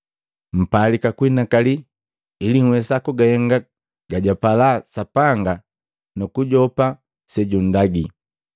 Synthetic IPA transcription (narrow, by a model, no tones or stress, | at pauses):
m̩palikakwinakali | iliŋ̩wɛsakuɡahɛŋɡa | ɡaɟapalasapaŋɡa | nukuɟɔpa | sɛɟun̩daɡi